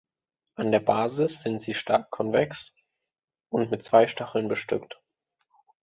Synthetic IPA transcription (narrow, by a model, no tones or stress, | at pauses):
ʔandeːɐbaːzɪsz̥ɪntz̥iːʃtaːkʰːɔnvɛkst | ʔʊntmɪtt͡sv̥aɪʃtaχl̩nbəʃtʏ̰kt